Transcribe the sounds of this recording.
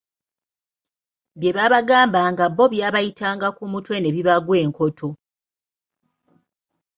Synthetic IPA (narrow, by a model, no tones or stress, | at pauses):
bje̞βaβaɡaːmbaŋɡabːo̞βjaːβajitʰaːŋɡakumutwe̞ne̞βiβaɡwe̞ːŋko̞tʰo̞